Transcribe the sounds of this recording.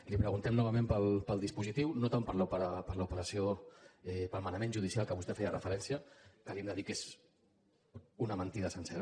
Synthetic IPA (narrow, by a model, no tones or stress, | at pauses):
lipɾəɣunt̪ɛmnɔβ̞əmẽmpəlˠpəlˠd̪ispuzit̪iwnot̪ampəɾlupəɾapəɾləupəɾəsioɛpəlˠmanəmẽnʒuð̞isialˠkəβust̪ɛfɛjərəfəɾɛnsjəkalimd̪əðikez | unəmənt̪iðəsənsɛɾə